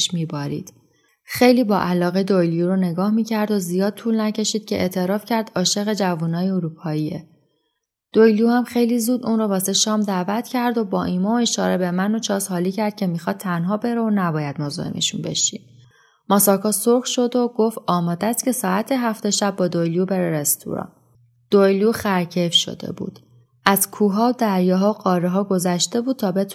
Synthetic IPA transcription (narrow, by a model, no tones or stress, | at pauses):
ʃmiːbɒːɾḭːd̪̥ | xe̞jliːbɒːʔælɒːɣed̪ojljuɾone̞ɡɒːhmiːcʰæɾd̪ozijɒːd̪̚t̪ʰuːlnæcʰe̞ʃiːd̪̥̚cʰeʔet̪ʰe̞ɾɒːfcʰæɾd̪̥ɒːʃe̞ɣe̞d͡ʒævuːnɒːjeoɾuːpʰɒːiːe | d̪̥ojljuhæmxe̞jliːzuːd̪uːnɾrovɒːseʃɒːmd̪æːvæt̪ʰcʰæɾd̪o̞bɒːʔiːmɒːoeʃɒːɾe̞be̞mæno̞t͡ʃʰɒːzhɒːliːcʰæɾd̪̥̚cʰe̞miːxɒːd̪̚t̪ʰːænɦɒːbe̞ɾeonæbɒːjæd̪̥mozɒ̰ḛnḛʃunbe̞̰ʃḭd̪ | mɒːsɒːkʰɒːsoɾxʃo̞d̪o̞ɡo̞ft̪ɒːmɒːd̪æst̪̚cʰe̞sɒːæt̪ʰeɦæft̪e̞ʃæbːɒːd̪ojljube̞ɾeɾest̪ʰṵɾɒ̰ːn | d̪̥ojljuːxæɾcʰefʃo̞̰d̪e̞̰bṵːd̪̥ | ʔæzkʰuːɦɒːod̪æɾjɒːɦɒːoɣɒːɾeɦɒːɡo̞zæʃt̪e̞buːd̪̚t̪ʰɒːbe̞t̪ʰ